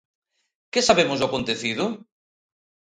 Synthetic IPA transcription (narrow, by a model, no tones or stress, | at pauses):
kesaβemʊzoakont̪eθiðʊ